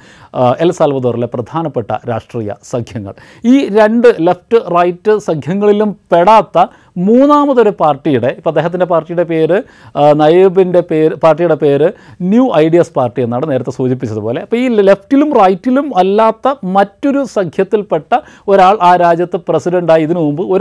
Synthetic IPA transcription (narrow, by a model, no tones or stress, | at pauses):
elsɐlʋɐðoːrileprɐd̪ʱaːnɐpːeʈːɐ̰ɾa̰ːʂʈriːjɐ̰sɐɡʱʰjɐŋːɐ̰ɭ | iːɾe̞ɳɖɨlefʈɨrɐjtːɨsɐŋɡʰʱjɐŋːɐɭilumpe̞ɽaːt̪ːɐ | muːnaːmɐðo̞ɾupaːrʈːijuɽe̞ipːoɐd̪eːɦɐt̪ːinde̞paːrʈːijuɽe̞pe̞ːɾɨ | nɐjebinde̞peːɾɨpaːrʈːijuɽe̞pe̞ːɾɨnjuːʔɐjɖijɐspaːrʈːije̞nːaːɳɨne̞ːɾɐt̪ːe̞suːd͡ʑip̬ːit͡ɕːɐðupo̞ːle̞ɐpːoiːle̞ftːilumrɐjtːilumɐlːaːt̪ːɐmɐtːo̞ɾusɐɡʱʰjɐt̪ːilpe̞ʈːɐ | o̞ɾaːɭaːɾaːd͡ʑjɐt̪ːɨpresidɐɳɖaːjiiðinɨmumbɨo̞